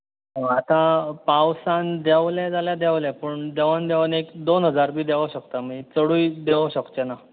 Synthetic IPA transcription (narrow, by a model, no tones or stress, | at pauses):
ɦəat̪apawsand̪jaʋled͡zaljad̪aʋlɛpəɳd̪eʋand̪eʋanekd̪onɦəd͡zaɾbʱiːd̪eʋaɕəkt̪amit͡səɽuːjd̪eʋaɕəkt͡ɕena